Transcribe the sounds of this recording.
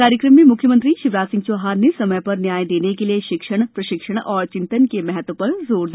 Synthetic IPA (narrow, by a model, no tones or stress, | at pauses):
aːɾjəkɾəmːemʊkʰjəmə̃nt̪ɾiʃɪʋɾaːsɪ̃ŋɡ̚t͡ʃoɦaːɾnesɐməjpɐɾnjaːjd̪eːnekelieʃɪkʃəɽ̃pɾɐʃɪkʃəɽ̃ɔːɾt͡ʃɪ̃nt̪ənkemɛɦət̪ʋpɐɾzoːɾd̪